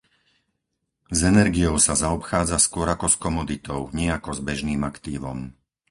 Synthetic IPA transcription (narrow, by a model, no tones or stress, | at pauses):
zɛnɛɾɡiɔʊsazaɔpxaːd͡zaskʊɔɾakɔskɔmɔd̪it̪ɔʊɲɪɛakɔzbɛʒniːmakt̪iːʋɔm